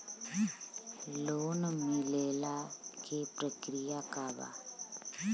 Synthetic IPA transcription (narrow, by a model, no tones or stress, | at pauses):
loːnmilelakʰepɾəkɾijakaʋa̰